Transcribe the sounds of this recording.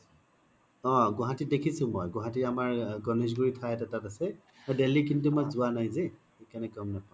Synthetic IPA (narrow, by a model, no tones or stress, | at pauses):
ɔ̃ɡʊɦatit̚dekʰisʊ̃mojɡʊ̃ɦatitamaɹɡɔnis̬ɡuɹitʰaɛtatatasɛ | ɔdelik̬intumɔjzʊanajzɛ | ekanɛkɔmnapã